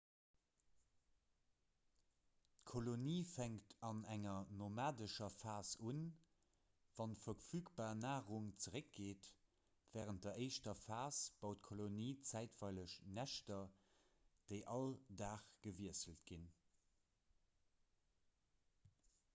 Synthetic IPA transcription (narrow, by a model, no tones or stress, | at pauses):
tkʰoloniːfæŋktʰɑnæŋɐnomaːdəʃɐfaːsun | v̥ɑnfɐfyːkb̥aːnaːʁuŋt͡səʁək̚ɡ̥eːt | v̥ɛːʁənt̚d̥ɐʔəɪʃtɐfaːsb̥ɑʊtkʰoloniːt͡sæɪtv̥ɑɪləʃnæʃtɐ | d̥eɪʔɑldaːχɡ̥əviəsəltɡ̥in